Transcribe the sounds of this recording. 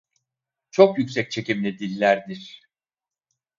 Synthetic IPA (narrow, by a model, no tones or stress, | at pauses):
t͡ʃʰokjycsɛc̚t͡ʃʰe̞cimlʲid̪ilʲːæɾd̪iɾ̥